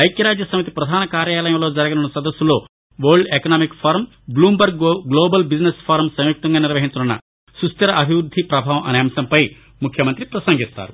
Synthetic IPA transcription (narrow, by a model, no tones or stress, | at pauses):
ɐjkjɐɾaːd͡ʒjɐsɐmit̪ipɾɐd̪ʱaːnɐkaːɾjaːlɐjɐmlo̞ːd͡ʒɐɾɐɡɐnunːɐsɐd̪ɐsːulo̞ː | ʋɐɾɖekɐnaːmikpʰaːɾm | bluːmbɐɾɡɡloːbɐlbid͡ʒnespʰaːɾmsɐmjuk̚t̪ɐŋɡaːniɾʋɐɦiɲt͡ʃɐunːɐ̰ | sust̪ɐɾɐʔɐbʱiʋɾud̪ʱːipɾɐbʱaːʋɐmʔɐ̰neːmɐsɐmpɐj | mukʰjɐmɐnt̪ɾipɾɐsɐŋɡist̪a̰ːɾu